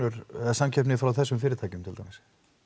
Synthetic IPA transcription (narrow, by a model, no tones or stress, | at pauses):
ʏɾsamcʰɛp̬nɪfɾawθɛsːʏmfɪːɾɪɾt̪ʰajcʏmt̪ʰɪlt̪ʰawmɪs